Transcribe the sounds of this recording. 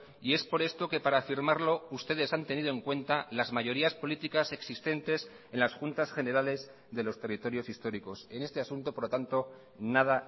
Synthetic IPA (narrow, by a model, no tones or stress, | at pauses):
ie̞spo̞ɾe̞st̪o̞ke̞paɾaːfiɾmaɾlo̞ust̪e̞ð̞e̞sant̪e̞niðo̞e̞ŋkwe̞nt̪alazmaʝo̞ɾiaspo̞lit̪ikase̞ksist̪e̞nt̪e̞s | e̞nlasxunt̪asχe̞ne̞ɾale̞z | ðe̞lo̞st̪e̞rit̪o̞ɾjo̞sist̪o̞ɾiko̞se̞ne̞st̪e̞asunt̪o̞poɾlo̞t̪ant̪o̞ | naða